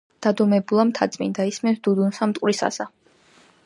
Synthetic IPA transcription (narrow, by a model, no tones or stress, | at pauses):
d̪̥ad̪ɔmɛbulˠamt̪ʰat̪sʼmḭnd̪aismɛnt̪d̪̥ud̪unsamt̪ʼqʼwɾisa̰sa